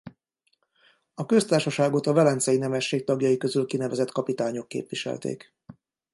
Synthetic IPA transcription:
ɒkø̞st̪aːrʃɒʃaːɡot̪ɒvɛlɛnt̪sɛjinɛmɛʃːeːk̚t̪ɒɡjɒjikø̞zylkinɛvɛzɛt̪kɒpit̪aːɲo̞kːḛːpʋiʃɛ̰lt̪ḛːk

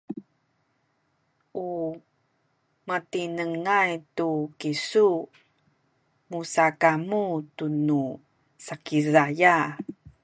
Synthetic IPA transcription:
ʔu | matinəŋajtukisu | musakamutunu | sakizaja

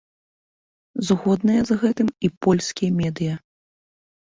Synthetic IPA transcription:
zɣɔd̪nɐjɐzɣɛt̪ɨmipɔlʲsʲkʲijɐmʲɛd̪ɨjɐ

